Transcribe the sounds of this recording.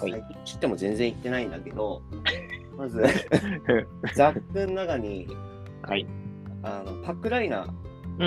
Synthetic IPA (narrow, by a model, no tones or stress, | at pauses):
haaioɕi̥t̪ːemo̞zẽ̞nd͡zẽ̞it̪ːe̞naĩnd̪ake̞d̪o̞ | mazɨ | zakːɯ̟̃nːakaɲ̟i | haiano̞pakːɯ̟ɾaina̰